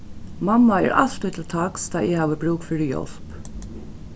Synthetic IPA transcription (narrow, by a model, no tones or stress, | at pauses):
mamːaɛ̰ɹʔa̰lt̪ʏt̪lt̪ʰakst̪ʰaːʔɪhaːʋəbɹuːkfɪɹɪjɔ̰l̥p